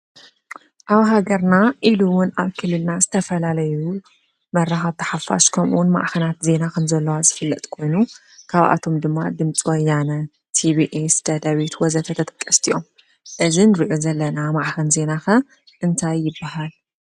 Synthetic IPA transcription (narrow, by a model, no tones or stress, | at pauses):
ʔaβɦaɡɐɾnaʔiluwʊnaβkʰɨlːɨlnazɨt̪ʰɐfɐlalɐju | mɐraxaβt̪ʰɐ̥ħafa̰ʃkʰɐmʔṵwnma̰ʔxɐnat̪ze̞nakʰɐmzɐlːɐwazɨfɨlːɐt̪ʼkʰo̞jnu | kʰaβʔa̰t̪ʰo̞md̪ɨmːa̰d̪ɨmt͡sʼiwɔjːanɐ | t̪ʰibiʔesd̪̥ɐd̪ɐβit̪wɔzɐt̪ʰɐt̪ʰɐt̪ʼɐ̥kʼːɐst̪ʰijo̞m | ʔɨzinɨɾiʔozɐlːɐnamaʕxɐnze̞naxɐ | ʔɨnt̪ʰajːɪbːaɦal